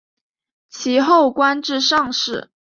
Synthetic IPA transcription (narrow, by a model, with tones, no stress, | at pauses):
t͡ɕʰi˧˥xo˥˩ʊkwa˥nʈ͡ʂɻ̩˥˧ʂɑ˥˧ŋʂɻ̩˥˩